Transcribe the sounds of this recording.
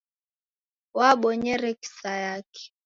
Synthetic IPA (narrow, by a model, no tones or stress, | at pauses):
waɓɔɲɛɾɛki̥sajakɛ̥